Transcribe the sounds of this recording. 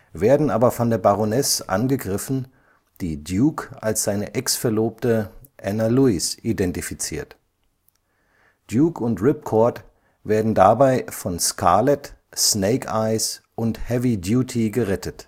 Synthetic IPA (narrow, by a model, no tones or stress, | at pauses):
veːɐdn̩ʔaːbɐfɔndeːɐbaʁonɛsʔa̰nɡəɡʁɪfn̩ | d̥iːdjuːkʔa̰lsz̥aɪnəʔɛksfɛɐloːp̚təʔɛnaluɪsʔidɛntifit͡sḭːɐt | d̥juːkʰʊntʁɪp̚kʰɔɐt | veːɐdn̩dabaɪfɔnskʰaɐlɛtsneɪkaɪs | ʔʊnthɛvidjuːtʰiɡəʁɛtət